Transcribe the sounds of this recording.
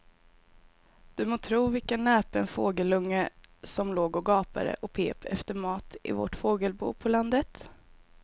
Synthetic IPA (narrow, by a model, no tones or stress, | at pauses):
d̪̥ɵmoːt̪ʰɾuːvɪlkənːɛːpɛnfoːɡəlɵŋːəsɔmloːɡɔɡɑːpa̰d̪ə̰ʔɔpʰḛːpʰɛ̰ft̪əɾmɑːt̪ʔɪ̰vɔ̰ʈfoːɡəlbṵːpʰɔland̪ət̪